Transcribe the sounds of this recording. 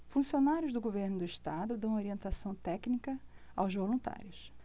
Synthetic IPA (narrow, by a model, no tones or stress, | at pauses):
fũsionaɾjʊzd̪ʊɡoveɾnʊd̪ʊiʃt̪ad̪ʊd̪ɐ̃w̃oɾiẽnt̪asɐ̃w̃t̪ɛknikɐawzvolũnt̪a̰ɾjʊs